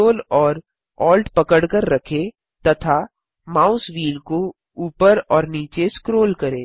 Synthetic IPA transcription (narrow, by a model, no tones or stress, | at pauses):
oːlɔːɾ | ɔːlʈpɐkəɽkəɾːɐkʰe | t̪ɐt̪ʰa | maːʊsʋiːlko | uːpəɾɔːɾniːt͡ʃeskɾoːlkɐɾeː